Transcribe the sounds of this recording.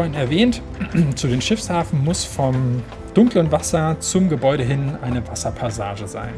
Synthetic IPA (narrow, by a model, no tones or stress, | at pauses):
ɐhɪnɛɐvɛːntt͡suːdeːnʃɪfshaːfn̩mʊsfɔm | d̥ʊŋklənvasɐt͡sʊmɡəbɔʏɾəɦɪnʔaɪnəvasɐpʰasaːʒəza̰ɪn